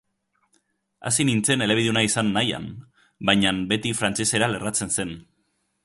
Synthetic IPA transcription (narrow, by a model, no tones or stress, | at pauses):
a̰sinint͡se̞ne̞le̞iðunaisanːaja̰n | bajɲambe̞t̪ifɾant͡ʃe̞se̞ɾale̞rat͡se̞nse̞n